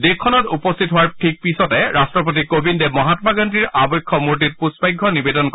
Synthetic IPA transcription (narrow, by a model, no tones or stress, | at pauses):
dekʰːɔnɔtupɔst̪ʰitɦʊwaɹʈʰik̚pisɔtɛɹastɹɔp̬ot̬ikobindemɔɦatɔmaɡantiɹʔabɔjkʰːɔmuɹt̬it̚pusbajɡʱːɔnibedɔnk